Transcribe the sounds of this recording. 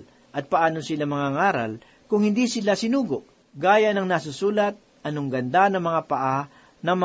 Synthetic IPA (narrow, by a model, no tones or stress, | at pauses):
ʔɐt̪̚pɐʔaːnosɪlamɐŋaŋaːɾɐ̰l | kʊŋhɪnd̪iːsɪlasɪnuːɡoʔ | ɡaːjanɐŋnasʊsuːlɐt̪̚ | ʔɐnoŋɡɐnd̪anɐmɐŋapɐʔa | nɐŋmɐ